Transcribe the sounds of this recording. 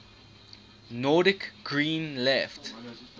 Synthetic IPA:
nɔdɪkɡ̥ɹĩːnlɛft

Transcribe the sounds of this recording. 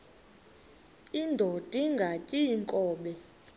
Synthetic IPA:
indʱod̥ʱiŋɡʱacʼiŋkʼɔːɓɛ

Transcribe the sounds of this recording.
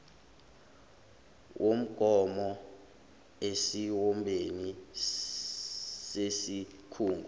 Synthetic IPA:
wʔom̩ɡ̥ʱʼɔmɔ | esiwɔmbʱeni | sesikʰuːŋɡʱu

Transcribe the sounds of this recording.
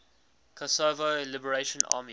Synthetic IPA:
kʰɔsoːvolɪbəɹeɪʃə̃nʔa̰ːmi

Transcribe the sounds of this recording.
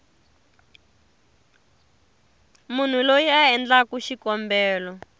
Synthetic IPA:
mun̤ulojiaɛnd͡ɮakuʃikɔmbɛːlɔ

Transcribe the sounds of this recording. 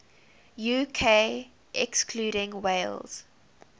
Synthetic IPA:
juːkʰe | ʔɛkskʰluːɾɪ̃ŋweɪlz̥

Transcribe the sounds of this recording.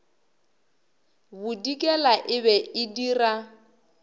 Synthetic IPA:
bʊdikʼɛlaʔɪβɛɪdira

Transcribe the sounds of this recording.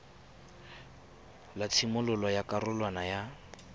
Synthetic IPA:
lat͡sʰimʊlʊlɔjakarʊlwanaja

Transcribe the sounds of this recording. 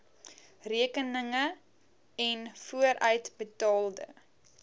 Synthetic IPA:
riəkənəŋə | ɛnfuəɾʔœɥtbətɑːlˠdə̰

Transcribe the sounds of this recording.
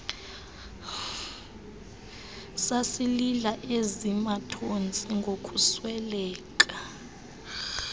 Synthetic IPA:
sasililaʔezimatʰont͡sʼiŋɡʱokʼuswɛlɛːkʼa

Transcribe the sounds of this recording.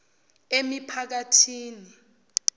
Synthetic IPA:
emipʰak̬atʰiːni

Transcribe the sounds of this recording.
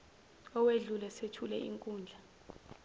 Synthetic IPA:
ɔweɮulɛsetʰulɛ̰ḭŋkʼuːnd͡ɮʱa

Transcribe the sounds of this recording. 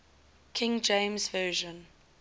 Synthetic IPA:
kʰɪ̃ŋd͡ʒẽɪmzvɜːʒə̃n

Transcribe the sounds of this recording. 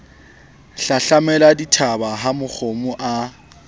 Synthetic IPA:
ɬaɬamɛladitʰabaɦamʊk͡xʰomʊʔa

